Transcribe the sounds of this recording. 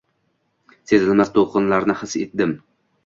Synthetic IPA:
sezɪlmaz̥t̪ʰoqʰɨnlaɾnɪhɨset̪̚d̪ɪm

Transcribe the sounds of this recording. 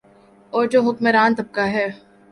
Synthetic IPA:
ɔːɾd͡ʒoːɦʊkmeɾaːnt̪ɐb̚kaɦɛː

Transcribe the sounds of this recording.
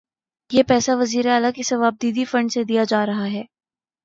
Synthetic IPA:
jeːpɛːsaʋɐziːɾeaːlakisɐʋaːb̚d̪iːd̪ifɐ̃ɳɖsed̪ijad͡ʒaːɾɐɦaɦɛː

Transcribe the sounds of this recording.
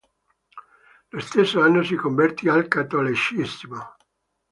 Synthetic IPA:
lost̪esːoanːosikoɱvɛrt̪ialkat̪ːolit͡ʃismo

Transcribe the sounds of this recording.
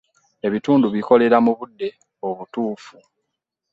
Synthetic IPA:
e̞βituːnduβiko̞le̞ɾamuβudːe̞ | oβutuːfu

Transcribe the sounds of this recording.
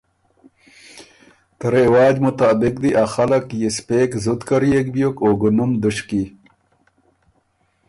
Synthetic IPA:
t̪əɾewaːd͡ʑmut̪aːbik̚d̪iʔaxalakjispeːkzud̪kaɾiek̚bjokoːɡunumd̪uɕki

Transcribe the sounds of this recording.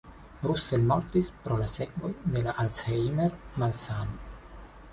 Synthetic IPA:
ɾuselmoɾt̪ispɾolasekvo̞jd̪e̞laʔalsejmeɾmalsano

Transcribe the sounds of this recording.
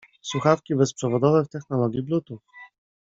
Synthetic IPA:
swuxafkʲibɛspʂɛvɔd̪ɔvɛft̪ɛxnɔlɔɡʲjiblut̪uf

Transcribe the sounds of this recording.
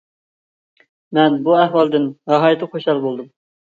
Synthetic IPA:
mɛnbuæhwɑlˠd̪ɪnɾɑɦɑjit̪ʰɨχʰoʃɑlˠbolˠd̪um

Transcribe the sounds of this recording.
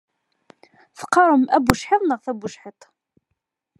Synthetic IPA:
θə̥qːɑɾˤəmʔæbʊʃħeðˤnəʁθæbuʃħet̪ˤ

